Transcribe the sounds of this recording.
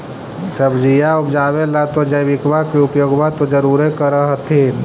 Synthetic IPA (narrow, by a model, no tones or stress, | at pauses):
səbd͡ʒijaʊpd͡ʒaːʋelat̪od͡ʒəjʋɪkʋakiʊpjoːɡbat̪od͡ʒəɾuːɾekəɾəɦt̪ʰeː